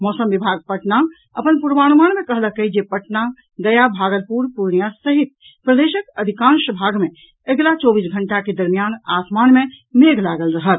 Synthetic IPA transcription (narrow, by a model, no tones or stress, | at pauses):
mɔːsəmbibʱaɡ̚pəʈna | əpənpuɾʋañmanmekəɦləkəjd͡ʒepəʈna | ɡəjabʱaɡəlpuɾpuɾɳijasəɦit̪̚ | pɾəd̪eʃəkəd̪ʱikãnʃəbʱaɡmẽ | əɡlat͡ʃɔbisɡʱəɳʈaked̪əɾmijanasmanme | meɡʱlaɡəlɾəɦət̪